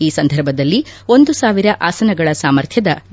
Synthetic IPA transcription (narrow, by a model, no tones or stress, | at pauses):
iːsɐnd̪ʱɐɾbʱɐd̪ɐlːio̞nd̪usaːʋiɾɐʔaːsɐnɐɡɐɭɐsaːmɐɾt̪ʰjɐd̪ɐ